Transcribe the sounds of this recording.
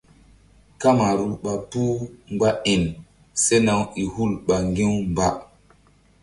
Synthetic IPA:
ka˦ma˨ɾu˦ɓa˨puː˦ŋ͡mɡ͡ba˦i˨n | se˦na˨wi˨hu˦lɓa˨ŋɡĩ˦wmba˨

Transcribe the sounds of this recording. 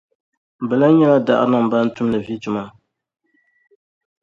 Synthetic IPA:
bɛ˨la˦ɲɛ˦la˦da̰˦ʔɾna˨m˨ba˦n̩˦tʊ˦m˦nɨ˨vi˦tʊ˦ma˦

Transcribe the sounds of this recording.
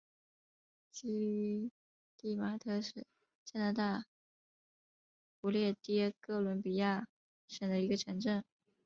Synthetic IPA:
t͡ɕi˥˧˥ | t̪i˥˩ma˧˥t̪ʰɤ˥˩ʂɻ̩˥˩ | t͡ɕja˥na˧˥t̪a˥˩ | pu˧˥ljɛ˥˩t̪i˥ɛ˥kɤ˥˩lwə˧˥npi˨˩ja˥˩ | ʂə˨˩d̪ə˦i˧˥ɡə˧ʈ͡ʂʰɤ˧˥ŋʈ͡ʂə˥˩ŋ

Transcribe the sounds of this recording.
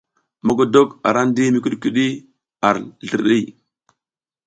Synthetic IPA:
ma˦ɡo˨do˦ka̰˨ɾa˦n˦di˦mi˨ku˦ɗki˨ɗi˦ | a˨ɾɮə˨ɾɗi˦j

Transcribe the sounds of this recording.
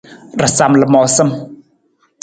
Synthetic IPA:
rə˨sa˨mlə˨mɔ˨sə˦m

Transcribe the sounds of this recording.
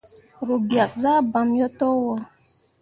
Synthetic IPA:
ɾu˨bja˨k̚za˦ba˨mjɔ˦tɔ˦wɔ˦

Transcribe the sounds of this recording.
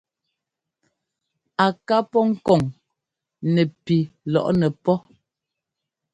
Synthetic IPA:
a˨ka˦pɔ˦ŋ̩˦kɔ˨ŋ | nɛ˨pi˨lɔ̰˨ʔnɛ˨pɔ˦

